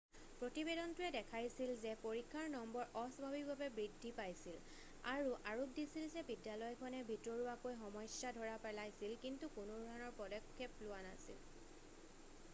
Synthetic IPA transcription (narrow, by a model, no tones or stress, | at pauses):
pɹotibedɔntʊɛdɛkʰajsilzɛpoɹikʰːaɹnɔmbɔɹʔɔsɔbʱabik̚bʱabɛbɹidʱːipajsil | aɹuʔaɹubdisilzɛbidːalɔjkʰɔnɛbʱitɹɔɹuakojxɔmɔjsadʱɔɹapɛlajsilkintukʊnodʱɔanɔɹpɔdɔkʰːeplʊwana̰sḭl